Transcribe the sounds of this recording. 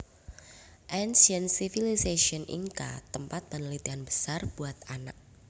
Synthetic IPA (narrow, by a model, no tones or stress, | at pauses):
ʔɛnsənsifiliseʃiɔnʔḭŋka̰t̪əmpat̪̚bənlit̪ianbə̥sarb̥uat̪̚ana̰k̚